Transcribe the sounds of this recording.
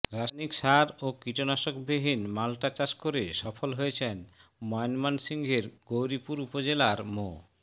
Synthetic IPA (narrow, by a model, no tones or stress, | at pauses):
ɾaʃnikʃaɾokɾiʈonaʃokbeɦinmalʈat͡ɕaʃkoɾeʃɔfolɦojet͡ɕʰenmɔjonmansiŋɡʱeɾɡowɾipuɾupod͡ʑelaɾmo